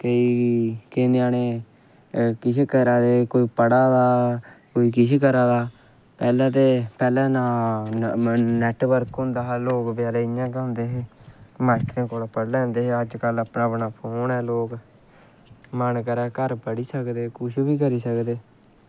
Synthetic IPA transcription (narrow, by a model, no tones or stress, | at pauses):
kəiːkeːneãːneː | kɪt͡ʃʰeːkəɾaːd̪eːkoːiːpəɽaːd̪aːkoːiːkɪʃʰkəɾaːd̪aː | pɛːlɛ̃ːt̪eːpɛːlɛ̃ːnãː | nɛːʈʋəɾkɦʊ̃ːnd̪aːɦloːkbjaːleːɪjãːkõːnd̪eːɦeːmaːkɾẽːkoːlapəɽlɛ̃ːnd̪eːɦeːəd͡ʒkələpnaːpnaːpʰoːnɛːloːk | mənkəɾɛːkəɾpəɽiːsəkd̪eːkʊʃbiːk̬əɾiːsəkd̪eː